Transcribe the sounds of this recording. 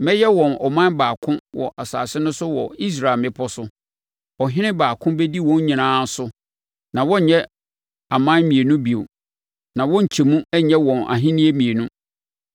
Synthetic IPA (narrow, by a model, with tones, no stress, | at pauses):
mɛ˦jɛ˦wɔ̃˨nɔ̰˨mã˦nbaː˨kʰʊ̃˦wɔ̰˨ʔa˨sa̰ː˨sɪ˦nʊ̃˦sʊ˦wɔ̰˨i˦s̬ɾa˦˨lmɪ̃˦pʰɔ˦sʊ˦ | ɔ˨ɦɪ̃˦nɪ̃˦baː˨kʰʊ̃˦be˦di˦wɔ̃˦ɲ˦ɲĩ˨nãː˦sʊ˦ | nã˨wɔ˦˨ɲɛ̃˦ | a˨mã˦n˦mĩ˨e˨nũ˦bi˨o̰˨ | nã˨wɔ̃˦ɲ̩˨t͡ɕʰi˨mũ˦ɛ˦ɲɛ̃˦wɔ̃˨na̰˨ɦɪ̃˦nĩ˦e˦mĩ˨e˨nũ˦